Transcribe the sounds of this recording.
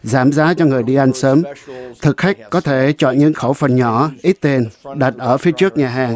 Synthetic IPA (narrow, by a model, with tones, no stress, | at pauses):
zaː˧˩mzaː˨˦t͡ɕɔ˧ŋɨ˨˩əjɗi˧ʔa˧jŋ̟səː˨˦mt̪ʰɨ˨˩k̚xa˦˥jk̟̚kɔ˨˦t̪ʰe˧˩t͡ɕɔ̰˧˨nɲɨ̰˧˥ŋxə˧˩wfə˨˩nɲɔ˧˩ʔi˦˥t̚t̪e˧˩nɗa˨˩t̚ʔəː˧˩fi˨˦ət͡ɕɨ˦˥ək̚ɲaː˨˩ɦaː˨˩ŋ